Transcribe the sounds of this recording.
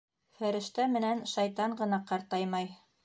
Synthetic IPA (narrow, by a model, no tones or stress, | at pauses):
fæɾɘ̆ʃt̪æmɘ̆nænʃɑjt̪ɑɴɢɤ̆nɑqɑɾt̪ɑjmɑj